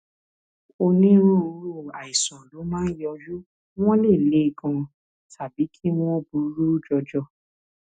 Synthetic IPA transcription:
o˧nĩ˦ɾũ˦o˧ɾu˦˨a˨i˨sã˨lo˨˦mãː˦jɔ˧d͡ʒu˦ | w̃ɔ̃˦le˦˨le˨˦˧kã˧ | tʰa˨bi˨˦kʰi˦w̃ɔ̃˦bu˧˦ɾu˦d͡ʒɔ˧d͡ʒɔ˦˨

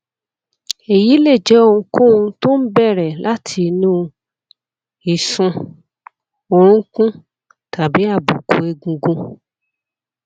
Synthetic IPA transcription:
e˨ji˨˦le˦˨d͡ʒɛ˨˦o˧ũ˧kũ˦ũ˧to˦n̩˦bɛ˦˨ɾɛ˨lʔa˦tʰi˧nũ˦ | i˨sũ˧ | o˧ɾ̃ũ˦kũ˦ | tʰa˨bi˨˦a˦˨bu˨ko˨e˧ɡũ˧ɡũ˧

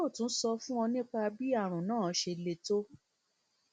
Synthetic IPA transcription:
o˦˨tũ˨˦sɔ˧fũ˦ɔ˧nĩ˦k͡pa˧bi˦a˦˨ɾ̃ũ˨nãː˦˨˦ʃe˧le˧to˦

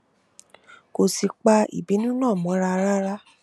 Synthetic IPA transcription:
ko˨si˨k͡pa˧ḭ˨bi˨˦nũ˦nãː˦˨mɔ̃˨˦ɾa˧ɾa˦ɾa˦

